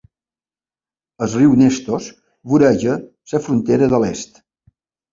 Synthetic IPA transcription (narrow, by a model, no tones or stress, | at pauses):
əzriwnest̪os | βuɾɛʒə | səfɾunt̪eɾəðəlest̪